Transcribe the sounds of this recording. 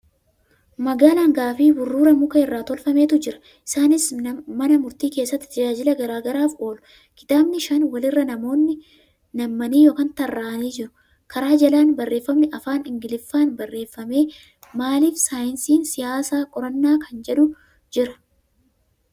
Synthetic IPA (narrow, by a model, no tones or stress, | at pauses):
mɐɡaːlaŋɡaːfibʊrːuːɾɐmʊkɐɪrːaːt̪ɔlfɐme̞ːt̪ʊd͡ʒɪɾɐ̥ | ʔɪsaːnɪsmɐnɐmʊɾt̪iːke̞ːsːɐt̪ːɪ̥t̪ɐd͡ʒaːd͡ʒɪlɐɡɐɾaːɡɐɾaːfʔo̞ːlʊ̥ | kɪ̥t̪aːbnɪʃɐnwɐlɪrːɐnɐmo̞ːnːɪ | nɐmːɐniːjo̞ːkɐnt̪ɐrːaːʔɐniːd͡ʒɪɾʊ̥ | kʰɐɾaːd͡ʒɐlaːnbɐrːe̞ːfːɐmnɪʔɐfaːnɪŋɡɪlɪfːaːnbɐrːe̞ːfːɐme̞ː | maːliːfsaːjɪnsiːnsɪjaːsaːkʼɔɾɐnːaːkʰɐnd͡ʒɛᶑʊ | d͡ʒɪɾɐ̥